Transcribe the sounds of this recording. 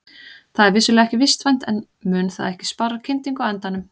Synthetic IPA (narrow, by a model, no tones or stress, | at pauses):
θaðɛɾvɪsʏlɛɣaɛhcɪvɪst̪vajn̥t̪ɛn | mʏːnθa̰ðɛhcɪ̥sparːacʰɪnt̪iŋkawɛnt̪anʏm